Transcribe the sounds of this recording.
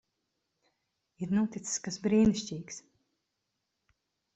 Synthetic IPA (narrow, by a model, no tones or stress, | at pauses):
iɾnuɔt̪it̪sɨ̥skasbɾiːniʃʲcʲiːks